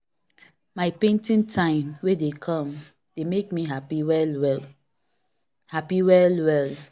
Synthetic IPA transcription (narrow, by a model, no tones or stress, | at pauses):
maɪpẽntĩntʰãɪ̃mwedekʰɔ̃m | d̥emek̚miɦapiwɛlwɛl | hapiwɛlwɛl